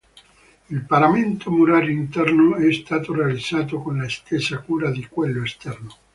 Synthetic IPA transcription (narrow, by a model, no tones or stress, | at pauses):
ilpaɾament̪ʰomuɾaːlint̪ɛrnoɛst̪aːt̪orealid̪z̥ːaːt̪okonlaest̪esakuːɾad̪ikwelːoest̪ɛrno